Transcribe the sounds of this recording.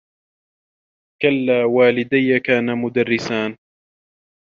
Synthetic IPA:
kalːaːwaːlɪd̪ajːakaːnamʊd̪arːɪsaːn

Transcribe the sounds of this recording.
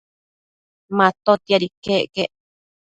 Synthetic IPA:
mãt̪ot̪iaɾikeʔkeʔ

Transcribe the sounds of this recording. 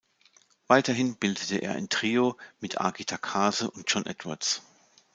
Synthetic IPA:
vaɪtɐɦɪnb̥ɪldətəʔḛːɐʔa̰ɪntʁ̥iːomɪtʰʔa̰ɡitʰakʰaːzəʔʊnt̚d͡ʒ̥ɔnʔɛ̰tv̥a̰ɐts

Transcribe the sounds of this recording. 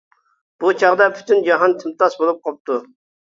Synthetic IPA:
b̥ut͡ʃʰɑʁd̪ɑpʰy̥t̪ʰynd͡ʒɑɦɑnt̪ʰɪmt̪ɑsbolˠup̚qʰɑp̚t̪u

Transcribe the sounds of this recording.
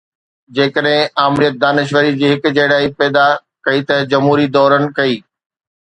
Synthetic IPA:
d͡ʑeːkəɗɦɪ̃aːmɾijət̪̚d̪aːnɪʃ̬ʋəɾid͡ʑiːɦɪkʊ̆d͡ʑɐɦɪɽaːipɛːd̪a | kɐit̪ɐd͡ʑɐmɦuːɾid̪ɔːɾənɪ̆kɐiː

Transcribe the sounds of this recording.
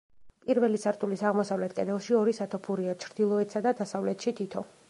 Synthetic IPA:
pʼiɾvɛlisaɾt̪ʰʼulisaʁmɔsavlɛt̪̚ʰkʼɛnɛlˠʃiɔɾisat̪ʰɔpʰuɾiat͡ʃʰɾd̪̥ilˠɔɛt̪ʰsad̪ad̪asavlɛt̪ʰʃit̪ʰit̪ʰɔ

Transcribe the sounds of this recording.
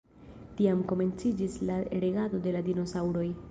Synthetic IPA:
tiamko̞me̞nt͡sid͡ʒislaɾeɡado̞de̞ladino̞sawɾo̞j

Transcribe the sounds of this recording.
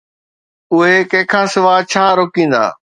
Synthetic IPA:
ʊɦekɐ̃ɦɪ̃kʰãːsɪʋaːt͡ɕʰaːɾoːkĩːn̆d̪a̰ː

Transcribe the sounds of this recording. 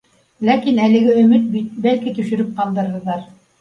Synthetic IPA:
lækinælɘ̆ɡɘɵ̆mɘt̪̚bit̪̚bælkit̪ɵ̆ʃɵ̆ɾɘp̚qɑlˠd̪ɤ̆ɾɤ̆ðɑɾ

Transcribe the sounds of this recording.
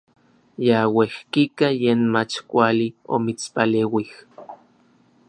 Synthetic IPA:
jawehkikajeːnmat͡ʃkʷalio̰mit͡spaleːwih

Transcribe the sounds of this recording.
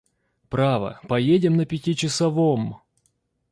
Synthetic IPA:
pɾavə̰pɐjedʲɪmnəpʲɪtʲit͡ɕɪsɐvom

